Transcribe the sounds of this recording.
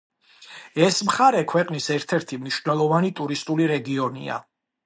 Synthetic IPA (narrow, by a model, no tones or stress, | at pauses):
ɛsmχaɾɛkʰwɛqʼnisɛɾt̪ʰɛɾt̪ʰimniʃvnɛlˠɔvanit̪ʼuɾist̪ʼuliɾɛɡiɔnḭa̰